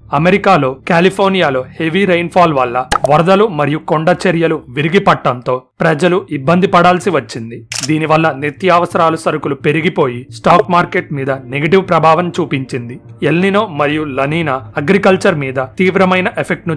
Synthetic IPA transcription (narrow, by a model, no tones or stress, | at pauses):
ɐme̞ɾikaːlo̞ːkjaːlipʰo̞ːɾnijaːlo̞ːhe̞ʋiɾejnpʰaːlʋɐlːɐʋɐɾɐd̪ɐlumɐɾijukoɳɖɐt͡ʃeɾjɐluʋiɾiɡipɐʈːɐnt̪o̞ːpɾɐd͡ʒɐluibːɐnd̪ipɐɽaːlsiʋɐt͡ʃːind̪id̪iːniʋɐlːɐnit̪jaːʋɐsɐɾaːlusɐɾɐkulupe̞ɾiɡipo̞ːjisʈaːkmaːɾke̞ʈmiːd̪ɐneɡɐʈiʋpɾɐbʱaːʋɐmt͡ʃuːpiɲt͡ʃind̪i | elninoːmɐɾijulɐniːnɐɐɡɾikɐlt͡ʃɐɾmiːd̪ɐt̪iːʋɾɐmɐjnɐʔepʰek̚ʈnu